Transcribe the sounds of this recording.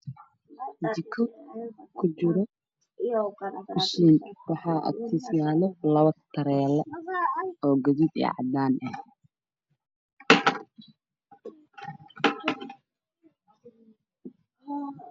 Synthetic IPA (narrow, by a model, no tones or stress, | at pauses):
d̪ɪkʰɔkʰʊt͡ʃɪɾɔ | ʊʃiːnwɑħɑːʔɐ̰t̪ʰislaːlɛlɐβɐt̪ʰːɐɾɛːlɐ | ɔːɡɐðid̪ɛ̰ːʕɑ̰d̪aːnɐh